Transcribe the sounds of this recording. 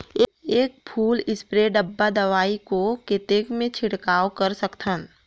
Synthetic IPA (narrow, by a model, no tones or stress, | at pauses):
eeːk̚pʰuːlɪspɾeːɖəbːad̪ɐʋaːikoket̪eːkmẽt͡ʃʰɪɽkaːokəɾsəkt̪ʰən